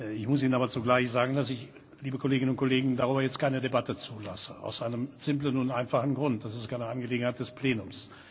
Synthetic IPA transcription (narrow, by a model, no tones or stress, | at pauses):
ɪçmʊsiːnənaːbɐt͡suɡlaɪçz̥aːɡŋ̩dasɪç | liːbəkʰɔleːɡɪnʊntkoleːɡŋ̩daʁyːbɐjɛt͡stkʰaɪnədebatət͡suːla̰səa̰ʊsʔaɪnəmz̥ɪmplənʊntʔaɪnfaχn̩ɡʁʊnt̚d̥asɪstkʰaɪnəʔanɡəleːɡŋ̩haɪtd̥ɛspʰleːnʊms